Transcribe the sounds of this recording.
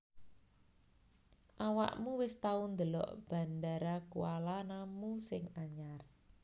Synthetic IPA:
ʔawa̰ʔmuwɪst̪aund̪əlɔ̰ʔb̥ä̤ndaɾakualanamusɪŋaɲar

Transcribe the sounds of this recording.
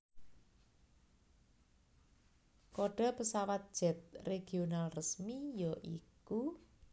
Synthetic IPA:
koɖ̥ɔ̤pəsawat̪̚d̥ʒ̥ɛ̤t̪̚reɡ̥ionalrəsmijɔʔḭku

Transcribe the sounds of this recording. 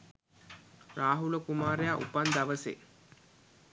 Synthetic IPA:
raːɦuləkumaːɾejaʔṵpand̪aʋəsḛː

